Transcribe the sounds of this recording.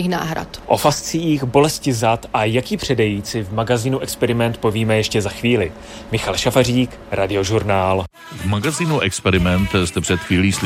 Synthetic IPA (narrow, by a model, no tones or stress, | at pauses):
ixna̰ːɦɾa̰t̪ʔo̞fast͡siːxbo̞lɛscɪzat̪ʔajakiːpr̝̥ɛdɛjiːt͡sɪvmaɡaziːnuʔɛkspɛɾɪmɛnt̪̚po̞viːmɛjɛʃcɛzaxviːlɪ | mɪxalʃafariːk | ɾʔadɪo̞ʒuɾnaːl | vmaɡaziːnuʔɛkspɛɾɪmɛnt̪st̪ɛpr̥ɛt̪xviːliːs